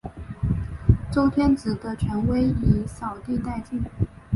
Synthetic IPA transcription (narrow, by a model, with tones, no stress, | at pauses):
ʈ͡ʂo˥ʊt̪ʰjɛ˥nt͡sɹ̩˨˩d̪ə˦t͡ɕʰɥɛ˧˥nwe˥ɪi˨˩˥sɑ˨˩ʊt̪i˥˧t̪a˥˧ɪt͡ɕi˥˩ŋ